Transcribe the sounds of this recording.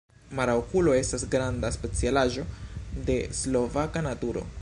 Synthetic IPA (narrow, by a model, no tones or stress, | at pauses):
maɾaokulo̞e̞stasɡɾandaspe̞t͡sialaʒo̞de̞slo̞vakanatuɾo̞̰